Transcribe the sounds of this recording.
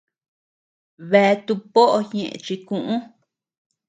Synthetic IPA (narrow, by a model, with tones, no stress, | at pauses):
βe˧˦˧t̪u˧po˦ʔo˧ɲẽ˨ʔḛ̃˨˧t͡ʃi˧kũ˧ʔũ˦